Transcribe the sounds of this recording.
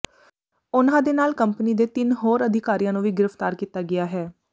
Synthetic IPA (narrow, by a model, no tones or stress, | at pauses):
ʊnãːd̪eːnaːlkəmpniːd̪eːt̪ɪnɦoːɾəd̪ʱɪkaːɾijãːnũːʋiːɡɪɾəft̪aːɾkiːt̪aːɡɪaːɦɛː